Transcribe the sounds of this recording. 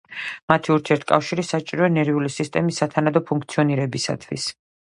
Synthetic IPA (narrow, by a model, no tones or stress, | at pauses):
mat̪ʰiuɾt̪ʰiɛɾt̪ʰkʼafʃiɾisat͡ʃʼiɾɔɛnɛɾiulisist̪ʼɛmisːat̪ʰanad̪ɔpʰuŋkʰt̪sʰiɔniɾɛbisa̰t̪ʰwḭs